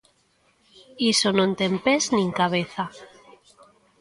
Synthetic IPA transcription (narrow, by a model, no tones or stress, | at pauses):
isonont̪empeznĩŋkaβ̞eθa